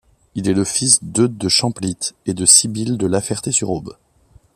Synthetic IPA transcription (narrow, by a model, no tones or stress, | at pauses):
ilɛləfisd̪ød̪əʃɑ̃plit̪ed̪əsibild̪əlafɛʁt̪esyʁob